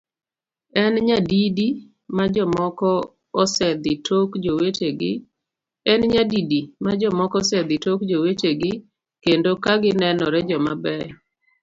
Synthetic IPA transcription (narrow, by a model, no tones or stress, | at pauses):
ɛnɲadidi | mad͡ʒɔmɔkɔː | sɛd̪ɪtʰokd͡ʒoweteɡɪ | ɛnɲadidimad͡ʒɔmɔkɔsɛd̪ɪtokd͡ʒoweteɡɪ | kendokaɡɪnɛnɔɾɛd͡ʒɔmabɛ